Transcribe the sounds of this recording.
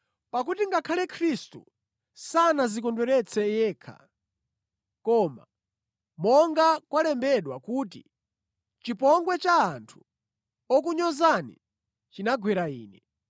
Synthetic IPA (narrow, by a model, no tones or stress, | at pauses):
pak̬utiŋɡakʰalɛkʰɾistṵ | sanazikɔndwɛɾɛt͡sʰɛjɛːkʰa̰ | kɔːma̰ | mɔŋɡakwalɛmbɛɗwakuːt̬i | t͡ʃipɔŋɡwɛt͡ʃaːntʰu̥ | ɔk̬uɲɔzanḭ | t͡ʃinaɡwɛɾaiːnɛ